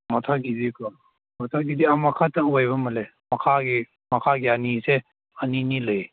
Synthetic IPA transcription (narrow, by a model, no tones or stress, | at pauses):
matʰaɡidikʰɔ | matʰaɡidiamakʰataŋuajβɐmɐle | mɐkʰaɡi | mɐkʰaɡianise | aninilɯj